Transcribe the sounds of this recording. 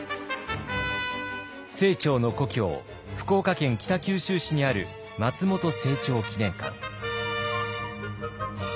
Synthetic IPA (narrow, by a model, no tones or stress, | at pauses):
se̞ːt͡ɕo̞ːno̞ko̞kʲo̞̰ː | ɸɯ̟̥ko̞ːkakẽ̞ŋkʲi̥t̪akʲɨːɕɨːɕiɲ̟iaɾɯ̟̰ | mat͡sɨmo̞t̪o̞se̞ːt͡ɕo̞ːkʲinẽ̞ŋkã̰ŋ